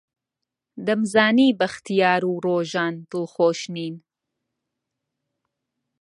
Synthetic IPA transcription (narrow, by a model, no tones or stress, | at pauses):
d̪ɐmzaːniːbɐxt̪ʰijaːɾuːɾoːʒaːnd̪ɨlxoːʃniːn